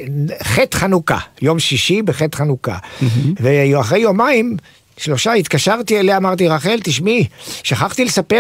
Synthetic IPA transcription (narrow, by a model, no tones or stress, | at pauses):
χet̪χanuka̰jo̞mʃiʃibeχet̪χanuka̰veaχʁe̞jo̞maim | ʃlo̞ʃait̪kaʃaʁt̪ieleaːmaʁt̪iʁaχe̞lt̪iʃmiʃaχaχt̪ile̞sape